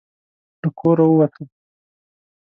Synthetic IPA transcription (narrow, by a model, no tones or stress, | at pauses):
d̪̥əkʰoɾawəwat̪ʰəl